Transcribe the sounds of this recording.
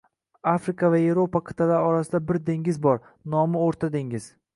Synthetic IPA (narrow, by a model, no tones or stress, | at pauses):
afɾɪkʰavaevɾopaqʰɨ̥t̪ʰalaɾɒɾasɪd̪abɪɾd̪eŋɪzbɒɾ | nɒmɪoɾt̪ʰad̪eŋɪz̥